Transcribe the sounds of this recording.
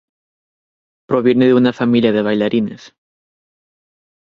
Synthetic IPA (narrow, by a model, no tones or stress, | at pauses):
pɾoβ̞je̞neðeunafamiljaðeβajlaɾines